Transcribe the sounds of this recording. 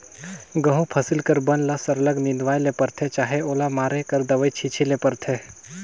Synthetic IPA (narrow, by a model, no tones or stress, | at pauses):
ɡə̃ɦũpʰəsɪlkəɾbənlasəɾləɡnɪnd̪ʋaːjlepəɾt̪ʰet͡ʃaːɦeoːlamaːɾekəɾd̪əʋəjt͡ʃʰit͡ʃʰilepəɾt̪ʰe